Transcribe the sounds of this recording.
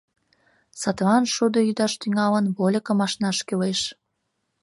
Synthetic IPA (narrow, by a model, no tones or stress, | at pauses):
sɑt̪βɑnʃud̪ojyd̪ɑʃt̪yŋɑlənβolʲəkə̆mɑʃnɑʃkeleʃ